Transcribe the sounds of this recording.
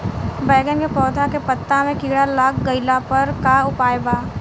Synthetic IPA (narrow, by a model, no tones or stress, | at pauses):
bɛːɡənkepɔːd̪ʰʱakepət̪ːamẽkiːɽalaːkɡəɪlapɐɾkaʊpaːjbaː